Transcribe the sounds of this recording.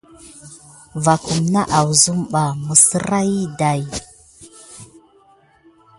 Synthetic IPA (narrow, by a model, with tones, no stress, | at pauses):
va˨ku˨mna˦ʔa˨wzu˦mɓa˨mu˨sə˦ɾa˦ji˦da˨j